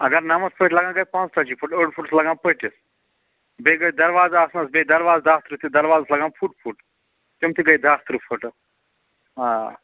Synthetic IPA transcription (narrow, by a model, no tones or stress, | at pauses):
ɐɡɐɾnɐmɐspəʈlɐɡãːɡɐjpãːnt͡st̪ʰɐt͡ʃipʰuʈəːɖpʰuʈslɐɡãːpəʈis | beɡɐjd̪ɐɾʋaːzaasnɐsbed̪ɐɾʋaːzd̪aːt̪ɾɨt̪ʰid̪ɐɾʋaːzɐslɐɡãːpʰuʈpʰuʈ | t̪umt̪ʰiɡɐjd̪aːst̪ɾɨpʰuʈ | ɦãː